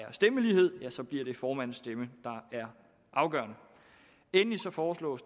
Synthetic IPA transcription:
æɐsd̥eməliːhe̝ð̞̰ˠjæsɒ̽b̥liɐ̰ɾ̥e̝fɒːmæn̰nsd̥eməd̥ɑ̈æɐ | ʔɑ̈ʊɡ̥ɶ̰ːɐnə | enlisɒ̽fɒːslɔ̰̽ːs

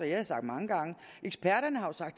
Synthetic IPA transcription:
ɒjasɑ̈ɡ̥̚d̥mɑ̈ŋəɡ̥ɑ̈ŋəʔeɡ̥sb̥æɐ̰ɾɐnəhɑ̈jo̝sɑ̈ɡ̥̚d̥

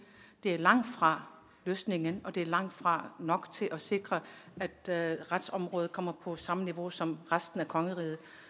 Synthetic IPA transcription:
d̥e̝æɐlɑ̈ŋ̰d̥fʁɑ̈ | løːsne̝ŋənɒ̽d̥e̝æɐlɑ̈ŋ̰d̥fʁɑ̈nɒ̽ɡ̥t͡sʰe̝lʔɒ̽se̝ɡ̥ʁɐæd̥ʁad̥sɒ̽mʁɔ̽ːð̩ˠkʰɒ̽m̰ɐpʰɒ̽sɑ̈məniʋo̝sɒ̽mʁasd̥n̩ækʰɒ̽ŋəʁiːð̩ˠ

